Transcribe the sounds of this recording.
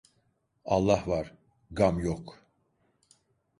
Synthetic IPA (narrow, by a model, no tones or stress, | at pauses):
alˠːahvaɾ̥ | ɡamjok